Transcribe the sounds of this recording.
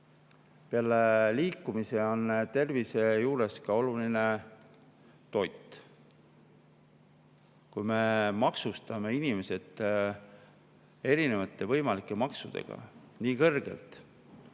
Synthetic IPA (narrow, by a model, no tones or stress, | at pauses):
peɑleliːkːˑumise̞o̞nt̪e̞rvise̞juːɾe̞skɑo̞luline̞ | t̪o̞jt̪ːˑ | kujme̞mɑksust̪ɑme̞inʲime̞se̞t̪ː | e̞ɾine̞vɑt̪ˑːe̞vɤjmɑlikːˑe̞mɑksud̪̥e̞̰ɡ̥ɑ̰ | niːkɤrɡ̥e̞̰lt̪